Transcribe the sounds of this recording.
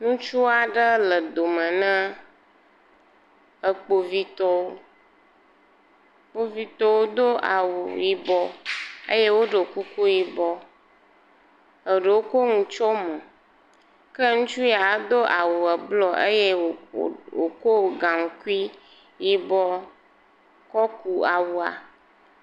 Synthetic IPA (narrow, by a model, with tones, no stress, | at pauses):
nũ˦t͡ʃu˦a˨ɖə˦lə˨d̪o˨mə̃˨nə̃˦ | ə˨k͡po˨vi˦t̪ɔ˦wo˦ | k͡po˦vi˦t̪ɔ˦wo˦d̪o˦a̰˨wṵ˨ji˦˨bɔ˦ḛ˦je˦wo˦ɖə˨ku˦ku˦ji˨bɔ˦ | ə˨ɖə˨wo˦ko˦ŋũ˨t͡ʃɔ˦mɔ̃˨ | ke˦ŋũ˦t͡ʃu˦ja˨˦d̪o˦ʔa˨wu˨ɛ˨blɔ˦ʔe˦je˦˨wo̰˨ko˦˨ɡã˨ŋ̩˨ku˦i˦ | ji˦bɔ˦ | kɔ˦ku˦a˨wu˨a̰˨